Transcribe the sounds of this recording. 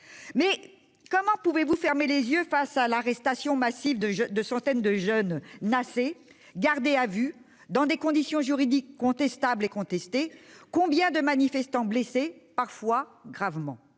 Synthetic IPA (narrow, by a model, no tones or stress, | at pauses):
mɛ | kɔmɑ̃puvevufɛʁmelezjøfasalaʁɛst̪asjɔ̃masivd̪əd̪əsɑ̃t̪ɛnd̪əʒœnːase | ɡaʁd̪eavy | d̪ɑ̃d̪ekɔ̃d̪isjɔ̃ʒyʁid̪ikːɔ̃t̪ɛst̪ablekɔ̃t̪ɛst̪ekɔ̃bjɛ̃d̪əmanifɛst̪ɑ̃blɛsepaʁfwaɡʁavmɑ̰̃